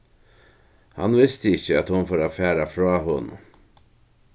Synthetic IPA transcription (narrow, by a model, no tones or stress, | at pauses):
hɑ̰nʋɪst̪əɪçəɑt̪hʊnfoːɾafæːɾafɾɑːɦʊn̰